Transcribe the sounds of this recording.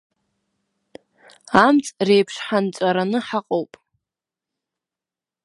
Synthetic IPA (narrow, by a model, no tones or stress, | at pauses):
amt͡sʼrejpʰʂħant͡ʃʷʼaɾanɨħaqʼowpʼ